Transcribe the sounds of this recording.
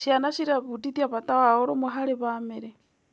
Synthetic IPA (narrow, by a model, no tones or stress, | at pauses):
ʃjanaʃiɾaβutit̪jaβat̪ʼawaoɾomuɦaliβameɾe